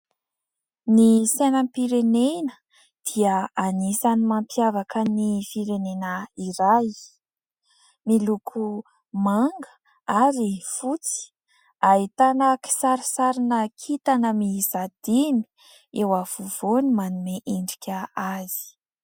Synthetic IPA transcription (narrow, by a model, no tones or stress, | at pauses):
nisenəmpiɾenenə | d̪̥iəanisanimampjavakənifiɾenenəiɾaj | milukʰu | maŋɡə̥ | aɾifut͡si̥ | ait̪anəki̥saɾisaɾinəkʰit̪anəmizad̪̥ini̥ | ewav̥uv̥onimanumeʔiɳɖ͡ʐikʲəaz̥i̥